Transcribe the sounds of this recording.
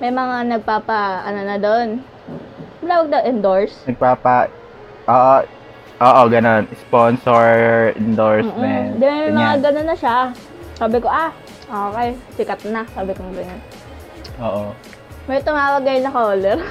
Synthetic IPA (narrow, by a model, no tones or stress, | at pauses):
mɐjmɐŋanɐɡ̚paːpɐʔɐnonɐd̪on | mɐlaːwɐɡ̚d̪ɐʔɪnd̪oɹsnɐɡ̚paːpɐ | ʔoːʔo | ʔoːʔoɡɐnonsponsoɹɪnd̪oɹs̩ːʔmɛd̪ɪnmɐjmɐŋaɡɐnonːɐʃa | saːbɪko̞ʔa | ʔoːkɛjsɪkɐt̪̚nɐsaːbɪkoŋɡɐnon | ʔoːʔo | mɐjt̪ʊmaabɐɡajnɐkoːlɛɾ